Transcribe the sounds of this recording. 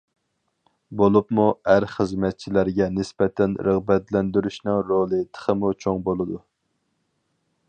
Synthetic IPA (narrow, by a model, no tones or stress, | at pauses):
bolˠupmuæɾχəzmɛt̪̚t͡ʃʰilæɾɡʲɛnɪspɛt̪ʰɛnɾəʁbɛt̪lɛnd̪yɾyʃnɨŋɾolˠɨt̪ʰə̥χʰəmut͡ʃʰoŋbolˠɨd̪u